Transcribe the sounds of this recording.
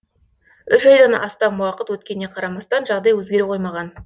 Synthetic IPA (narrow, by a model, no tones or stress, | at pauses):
ʏʃɑjd̪ɑnɑst̪ɑmuwɑqət̪wɵt̪̚kʲe̞nːe̞qʰɑɾɑmɑst̪ɑnʒɑʁd̪ɑjwɵzɡʲe̞ɾeqʰo̞jmɑʁɑn